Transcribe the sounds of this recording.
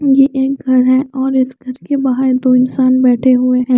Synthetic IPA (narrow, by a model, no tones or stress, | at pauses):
jeʔeːk̚ɡʱɐɾɦɛ̃ɔːɾɪsɡʱɐɾkebɐɦəɾd̪oɪnsaːnbɛːʈʰeɦʊeɦɛ̃ː